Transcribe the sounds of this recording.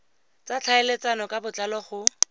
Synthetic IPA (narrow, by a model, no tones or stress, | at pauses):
t͡sat͡ɬʰaelet͡sanɔkʼabʊt͡ɬalɔχʊ